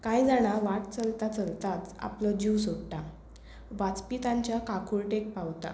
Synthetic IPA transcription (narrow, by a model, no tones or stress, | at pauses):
kajd͡zaɽ̃aʋaʈt͡səlt̪at͡səlt̪at͡sa̰plɔd͡ʑiwsokʈ̪a | ʋat͡spit̪ãɲt͡ɕjakakʰuɾʈek̚pawt̪a̰